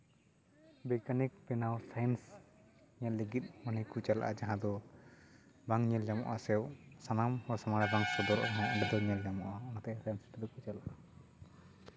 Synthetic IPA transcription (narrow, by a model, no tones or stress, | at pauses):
bɛkanik̚pɛnawsajns | ɲɛlːiɡit̪̚manijkut͡ʃala̰ʔad͡ʒaɦãd̪ɔ | baŋɲɛld͡ʒamɔ̰ʔasɛwsanamhɔsamaɽɛbaŋsɔd̪ɔɾʔɔnaʔɛɳɖɛd̪ɔɲɛld͡ʒamɔʔaɔnat̪ɛʔasajnsʈɛd̪ɔkut͡ʃalaʔa